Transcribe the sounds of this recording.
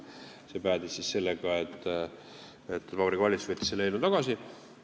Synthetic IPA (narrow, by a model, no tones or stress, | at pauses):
se̞pæːd̪ississe̞lːeɡ̥ɑe̞t̪ːˑ | et̪ːvɑbɾikvɑlʲit̪svet̪ʲːˑi̥selejnut̪ɑɡ̥ɑsi